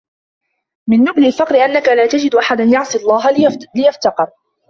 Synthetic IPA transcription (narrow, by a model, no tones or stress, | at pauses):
mɪnːʊblɪlfɑqɾɪʔanːakalaːt̪ad͡ʒɪd̪ʔaħad̪anjɑʕsˤɨɑlˤːɑːɦalɪjaft̪ɑqɨɾ